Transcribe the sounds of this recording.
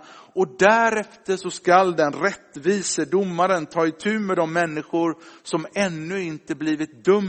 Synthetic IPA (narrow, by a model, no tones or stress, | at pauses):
ɔd̪æɾɛft̪əʂɔskald̪ɛnɾɛt̪ːviːsəd̪ʊmːaɾənt̪ʰɑːɪt̪ʰʉ̟ːmɛd̪ɔmːɛnːɪɧʊɾsɔmɛnːɵɪnt̪əbliːvɪt̪̚d̪ɵm